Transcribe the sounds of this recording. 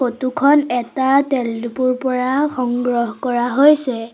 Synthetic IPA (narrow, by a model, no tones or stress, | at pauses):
xotukʰɔnɛtatɛldupuɹpɔɹaxɔŋɡɹɔɦkɔɹaɦojsɛ